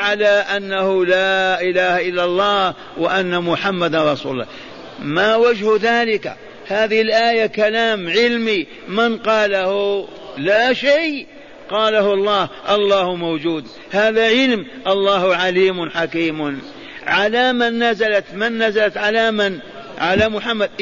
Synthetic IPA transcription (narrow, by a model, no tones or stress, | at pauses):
ʕalaʔanːahʊlaːʔɪlaːhaʔɪlːalˤːɑːh | wɪʔanːamʊħamːad̪anɾˤɑsṵːlʊlːɑ̰ː | mawad͡ʒhʊðaːlɪka̰ | haːðɪhɪlʔaːjakalaːmʕɪlmi | mɪnqɑːlahʊ | laʃaj | qɑːlahʊɑlˤːɑːhʔɑlˤːɑːhʊmawd͡ʒuːd̪ | haːðaʕɪlmʔɑlˤːɑːhʊʕaliːmʊnħakiːm | ʕalamanːazalat̪manːazalat̪ʕalaman | ʕalamʊħamːad̪̚